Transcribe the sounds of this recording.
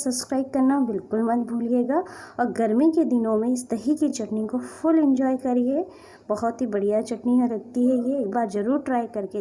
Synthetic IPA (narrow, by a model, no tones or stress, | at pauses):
sɐbskɾaːɪb̚kɐɾnabɪlkʊlmɐt̪̚bʱuːlieːɡaɔːɾɡɐɾmiked̪ɪnõmẽɪst̪ɐɦikit͡ʃɐʈnɪ̃kofʊlɪ̃nd͡ʒɔːjkɐɾie | bɐɦɔt̪ɦibɐɽ̤ijat͡ʃɐʈniɦãɾɐk̚t̪iɦɛjeːk̚baːɾzɐɾuːɾʈɾaːjkɐɾke